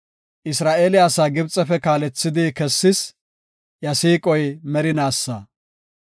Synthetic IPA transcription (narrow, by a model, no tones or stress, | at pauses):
ʔɪsɾaːʔeːlɪjaːsaːɡɪbt͡sʼːɛfɛkaːlɛt͡sːɪd̪ɪkɛsːɪs | jɐsiːkʼɔjmɛɾɪnaːsːɐː